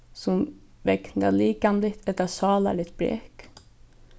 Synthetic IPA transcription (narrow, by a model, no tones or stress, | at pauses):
sɔm | ʋɛknə̰liːkɑnd̪ɪt̪ʰɛt̪əsɑːlə̰lɪt̪̚bɾḛːk